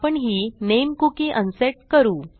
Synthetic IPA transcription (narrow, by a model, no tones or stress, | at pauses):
pəɳɦiːnemkukiːʔənseʈ̚kəɾuː